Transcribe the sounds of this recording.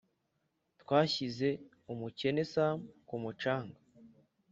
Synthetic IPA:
tkwaːçize̞ | umuce̞nesamkumut͡ʃaːŋɡa

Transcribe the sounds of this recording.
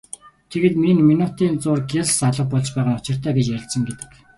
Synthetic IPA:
t̪ʰeɣɘ̆ːt̪minminut̪iːnt͡sʊːrɡessaɮə̆χ̚pɔɮt͡ɕpæːʁə̆ŋʊt͡ɕɪ̆r̥t̪ʰæːɡet͡ɕjæɾ̆ʲɬt̪sə̆ŋɡet̪ɘ̥̆k

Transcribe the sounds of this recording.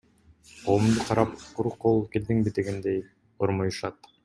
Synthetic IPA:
qʰoːumd̪uqʰɑɾɑpquɾuqʰːolˠkeld̪iŋbid̪e̞ɡend̪ej | oɾmojuʃɑt̪

